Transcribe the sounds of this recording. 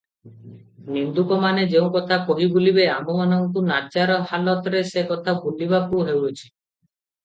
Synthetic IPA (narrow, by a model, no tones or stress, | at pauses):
nind̪ukɔmaned͡ʒeũkɔt̪ʰakoɦibulibeamɔmanɔŋkunat͡ʃaɾɔhalɔt̪ɔɾesekɔt̪ʰabulibakuɦewɾut͡ʃʰi̥